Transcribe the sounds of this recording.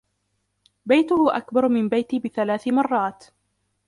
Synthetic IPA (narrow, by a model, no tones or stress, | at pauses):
bajt̪ʊhʊʔakbɑɾˤmɪmbajt̪ɪbɪθalaːθɪmɑrˤːɑːt̪